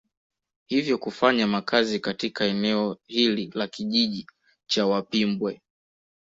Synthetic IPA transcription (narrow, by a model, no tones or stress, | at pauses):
hivjɔkufaɲamakʰazikatikaɛnɛɔhililakiʄiʄi | t͡ʃawapimbwɛ